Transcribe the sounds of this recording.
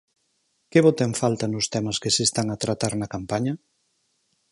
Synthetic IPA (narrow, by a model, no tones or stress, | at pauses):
keβot̪eŋfalt̪ɐnʊst̪ɛmɐskesest̪aŋat̪ɾat̪aɾnɐkampaɲɐ